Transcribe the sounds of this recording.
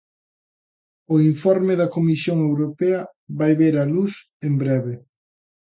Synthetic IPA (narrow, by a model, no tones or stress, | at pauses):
oiɱfɔɾmeðɐkomisjoŋewɾopɛɐ | βajβeɾɐlus | embɾɛβe